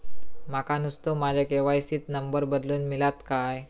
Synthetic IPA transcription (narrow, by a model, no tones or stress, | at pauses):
makanust̪omad͡ʒakewajsit̪̚nəmbərbəd̪lunmilat̪kaj